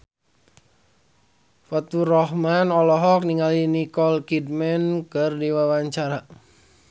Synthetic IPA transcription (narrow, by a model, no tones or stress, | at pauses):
fat̪urɔhmanɔlɔɦɔk̚niŋalinikɔlkid̚mɛnkərdiwawaɲt͡ʃaɾa